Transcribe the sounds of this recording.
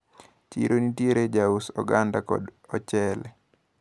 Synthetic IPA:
t͡ʃḭɾʔonitjieɾed͡ʒausɔ̰ɡandakɔ̰dɔt͡ʃɛlɛ

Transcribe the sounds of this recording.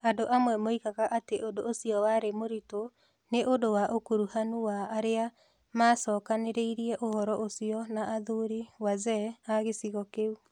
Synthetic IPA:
adoʔamwɛmoikaɣaʔateʔodoosiɔwaɾemoɾito | neʔodowaʔokuɾuhanuwaːɾea | maːsɔːkaneɾeiɾiɛʔohɔɾɔʔosiɔnaʔaðuɾiwazɛaɣesiɣɔkeu

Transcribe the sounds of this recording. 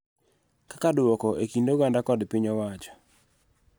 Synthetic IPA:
kakadwɔkɔʔekindoɡandakɔdpiɲɔwat͡ʃɔ̥

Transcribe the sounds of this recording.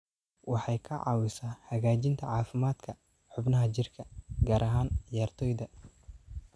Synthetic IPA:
wɑħɑjkʰɐʕɑ̰ːwɪsaːhɐɣaːt͡ʃɪnt̪ʰɐʕɑːfɪmaːd̪̥kʰɐ | ħʊbnɐɦɐt͡ʃɪrkʰɐɡaːɾʔɐɦaːnɪjaːrt̪ʰɔːjdɐ

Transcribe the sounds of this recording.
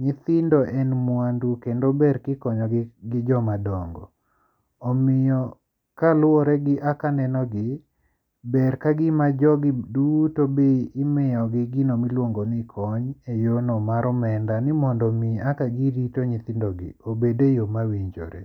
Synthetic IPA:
ɲɪt̪ɪndɔʔɛnmwandukendobɛrkɪkɔɲɔɡɪɡɪd͡ʒɔmadɔŋɡɔ̰ː | mɪjɔ | kalwɔɾɛɡɪʔakanɛnɔɡɪ | bɛɾkaɡɪmad͡ʒɔɡɪdutobeːmɪjɔɡɪɡɪnomilwoŋɡonikʰɔɲejonɔmaɾɔmɛndanɪmɔndɔmiakaɡiɾitoɲit̪ɪndɔɡɪ̰obedejomawiɲd͡ʒo̰ɾḛ

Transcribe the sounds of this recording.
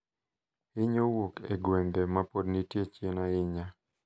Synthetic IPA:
ɪɲowokḛɡweŋɡemapodnitjet͡ʃenaɪɲa

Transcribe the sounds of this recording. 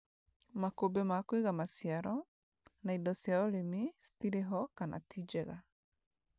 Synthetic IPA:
makobemakwiɣamasiaɾɔ | naidɔsjaoɾemisi̥tiɾeɦɔkana̰tʰid͡ʒɛɣa

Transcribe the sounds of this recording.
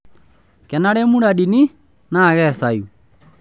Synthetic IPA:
kɛnaɾemuɾaɗini | naɣɛsaju

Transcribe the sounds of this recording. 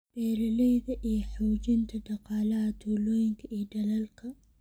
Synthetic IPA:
b̥ɛːɾɐlɛjðɐʔijɔħuːd͡ʒɪnt̪ʰɐɖɑqɑːlɐɦɐt̪ʰulɔːjɪŋkʰɐʔiːɖɐlɐlkʰɐ

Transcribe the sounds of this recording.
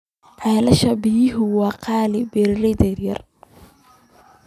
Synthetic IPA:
ʕɛːlɐʃɐbɪjɪɦʊwɑːqʰɑːlɪbɛɾrɛd̪ɛrjɐr

